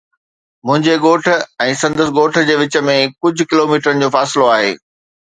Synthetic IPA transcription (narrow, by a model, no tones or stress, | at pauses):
mʊ̃ɦɪ̃ɲd͡ʑeɠoːʈ̆ʰɛ̃ːsɐ̃nd̪əs̆ɠoːʈʰd͡ʑeːʋɪt͡ɕəmẽkʊd͡ʑʱʊ̆kɪloːmiːʈəɾənɪ̆d͡ʑoːfaːsɪloaːɦḛː